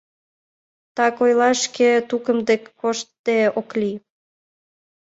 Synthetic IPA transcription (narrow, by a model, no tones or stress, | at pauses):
t̪ɑkojlɑʃket̪ukəmd̪ekːoʃt̪ːd̪eokli